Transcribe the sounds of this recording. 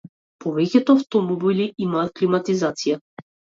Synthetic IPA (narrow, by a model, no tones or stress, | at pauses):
pɔvɛcʲɛt̪ɔaft̪ɔmɔbiliʔimaːt̪̚klimat̪izat̪sija